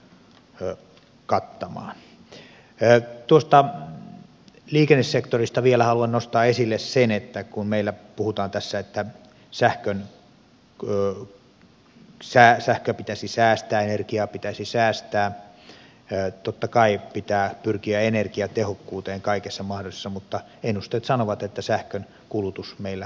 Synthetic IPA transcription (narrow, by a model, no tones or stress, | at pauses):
kɑt̪ːɑmɑ̰ːn | t̪uost̪ɑ | liːkenːessekt̪orist̪ɑʋielæhɑluɑnnost̪ɑːesilːessenet̪ːækunmeilːæpuhut̪ɑːnt̪æsːæet̪ːæ | sæhkøn | sæːsæhkøpit̪æsisæːst̪æːenerkiɑpit̪æsisæːst̪æː | t̪ot̪ːɑkɑipit̪æːpyrkiæenerkiɑt̪ehokːuːt̪eːŋkɑikesːɑmɑhdosisːɑmut̪ːɑ | enust̪eːt̪sɑnoʋɑt̪et̪ːæsæhkøn | kulut̪usmeilːæ